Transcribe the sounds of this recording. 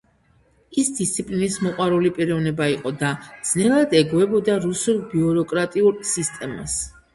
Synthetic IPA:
isd̪ist̪sʰipʼlinismɔqʼwaɾulipʼiɾɔvnɛbaiqʼɔd̪ad̪z̥nɛlˠad̪ɛɡwɛbɔd̪aɾusulˠbiɔɾɔkʼɾat̪ʼiuɾsist̪ʼɛma̰s

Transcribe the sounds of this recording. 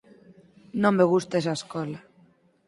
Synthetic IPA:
nõmːeɣust̪es̬aeskɔla

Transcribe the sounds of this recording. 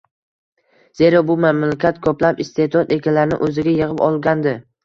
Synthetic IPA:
z̥e̞ɾɒbʊmamlakʲʰat̪kʰɵplapɪst̪ʰe̞d̪ɒt̪e̞kʲʰalaɾnɪ̰ʔɵzɪɡʲajɨʁɨpɒlˠɡʲand̪ɪ

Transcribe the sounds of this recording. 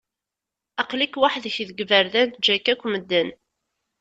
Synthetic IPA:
ɑqlikwaħðəçðəɡvəɾðænt̪̚d͡ʒːækːækʷːməd̪ːən

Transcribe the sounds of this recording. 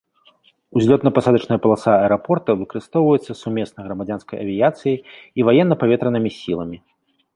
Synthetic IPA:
uzʲlʲɔt̪nɐpasad̪ɐt͡ʂnɐjɐpɐlˠasaɐɾapɔrt̪ɐvɨkɐɾɨst̪ɔwvɐjɛt̪sːɐsumʲɛsnɐɣɾɐmad͡zʲanskɐjʔɐ̰vʲijat̪sɨjiːvajɛnːɐpavʲɛt̪ɾɐnɨmʲisʲilˠɐmʲi

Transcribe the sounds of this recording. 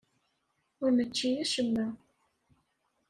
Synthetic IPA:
ʊɾmət͡ʃːijæʃəmːæ

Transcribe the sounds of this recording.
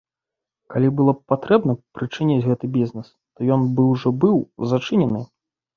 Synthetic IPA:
kalʲibɨlˠɔpat̪ɾɛbnɐpɾɨt͡ʂɨnʲit͡sʲɣɛt̪ɨbʲiznɛs | t̪ɔjɔnbɨwʐɔbɨwzat͡ʂɨnʲɛnɨ

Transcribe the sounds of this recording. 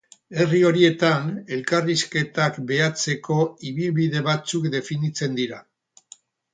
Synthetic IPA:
e̞rio̞ɾie̞t̪ane̞lkariske̞t̪akbe̞at͡se̞ko̞iβ̞ilβiðe̞β̞at͡sukd̪e̞finit͡se̞nd̪iɾa

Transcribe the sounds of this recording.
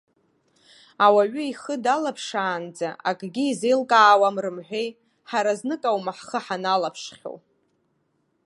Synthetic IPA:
awaɥʏiχədalapʰʂaːnd͡zaʔakʼɡʲiːzelkʼaːwamrɨmħʷᶣej | ħaɾaznɨkʼawmaħχəħanalapʰʂχʲo̰

